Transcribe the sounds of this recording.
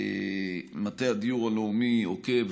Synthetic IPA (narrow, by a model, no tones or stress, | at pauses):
mat̪ead̪ijuʁaleumihoke̞v